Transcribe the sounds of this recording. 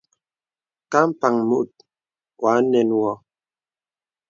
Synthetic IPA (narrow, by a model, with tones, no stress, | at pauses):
ka˦m̩˦pa˨ŋmu˦˨ʔt̚ | kwa˨˦nɛ˨nwɔ˨